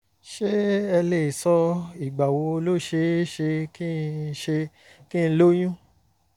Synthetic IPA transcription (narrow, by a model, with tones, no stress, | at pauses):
ʃe˦ɛ˧le˦˨sɔ˧i˨ɡ͡ba˨wo˨˧o˧lo˦˨ʃe˧˦ʃe˧ki˦˧ʃe˧ | kĩ˦˧˦lo˦j̃ũ˦